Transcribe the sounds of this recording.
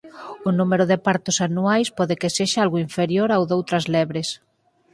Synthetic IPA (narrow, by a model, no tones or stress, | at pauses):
ʊnumeɾoðepaɾt̪ʊsanuajspɔðekeseʃaalɣoiɱfeɾjoɾawðowt̪ɾɐzlɛβɾes